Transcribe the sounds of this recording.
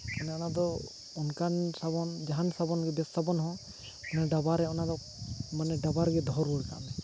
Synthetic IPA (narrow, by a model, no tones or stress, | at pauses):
anɛɔnad̪ɔ | ɔnkansabɔnd͡ʒaɦansabɔnɡɛbɛsːabɔnɦɔ̃ | ɔnɛɖabaɾɛɔnad̪ɔ | manɛɖabaɾɡɛd̪ʱɔɾɔka̰ʔmɛ